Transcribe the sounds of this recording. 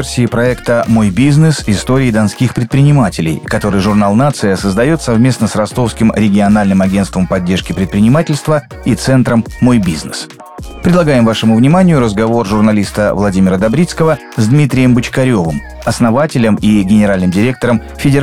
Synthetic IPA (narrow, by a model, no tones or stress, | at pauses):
rsʲɪːpɾɐɛkt̪əmo̞jbʲiznɨsɪst̪o̞ɾʲɪːd̪ɐnskʲixpɾʲɪt̪̚pɾʲɪnʲɪmatʲɪlʲɪ̰jkɐt̪o̞ɾɨjʐʊrnalˠnat̪sɨjəsəzd̪ɐjo̞t̪sɐvmʲe̞snəsrɐst̪o̞fskʲɪmɾʲɪɡʲɪɐnalʲnɨmɐɡʲe̞nst̪vəmpɐdʲːeʂkʲɪpɾʲɪt̪̚pɾʲɪnʲɪmatʲɪlʲst̪və | it̪sɛnt̪ɾəmːo̞jbʲiznɨs | pɾʲɪd̪lˠɐɡajɪmvaʂɨmʊvnʲɪmanʲɪjʊɾəzɡɐvo̞rʐʊrnɐlʲist̪əvlˠɐdʲimʲɪɾəd̪ɐbɾʲit̪skəvə | zd̪mʲit̪ɾʲɪjəmbɨt͡ɕkɐɾʲo̞vɨm | ɐsnɐvatʲɪlʲəmiɡʲɪnʲɪɾalʲnɨmdʲɪɾʲek̚t̪əɾəm | fʲɪdʲɪ